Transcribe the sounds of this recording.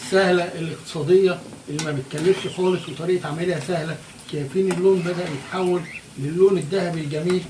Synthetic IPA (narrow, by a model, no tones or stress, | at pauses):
sːæhlæʔelːeq̚t̪e̥sˤɑːd̪ejːɑʔelːimæbet̪̚kælːeft̪xɑːlesˤwet̪ˤɑɾiːʔʕamælehæsæhlæ | kæːfiːnelːoːnbæd̪æʔmet̪ħawːælː | elːoːned̪ːæhæbelɡæmiːl